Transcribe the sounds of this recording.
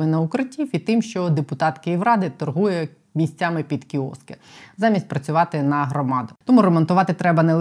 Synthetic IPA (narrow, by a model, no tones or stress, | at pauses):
ɪnɐʊkɾɪtʲːiwit̪ɪmʃt͡ʃɔd̪epʊt̪ɑt̪kɪjiwɾɑd̪ɪt̪ɔrɦujɛ | mʲisʲt͡sʲamɪpʲid̪kʲiɔ̰skɐ | zɑmʲisʲtʲpɾɐt͡sʲʊʋɑt̪ɪnɐɦɾɔmɑd̪ɐt̪ɔmuɾemɔnt̪ʊʋɑt̪ɪt̪ɾɛbɐnelˠ